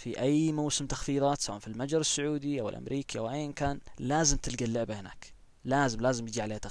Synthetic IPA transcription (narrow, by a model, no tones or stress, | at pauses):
fiʔajmawsɪmt̪ḁxfiːðˤɑːt̪sɑwʔanfilmad͡ʒɾˤɪsːʊʕuːd̪iʔawɪ̰lʔa̰mɾʔiːkiʔawʔajːʔɪnkaːnlaːzɪmt̪ɪt̪ɡalːɪʕbɪhɪna̰k | laːzɪmlaːzɪmjɪd͡ʒiʕaleːht̪a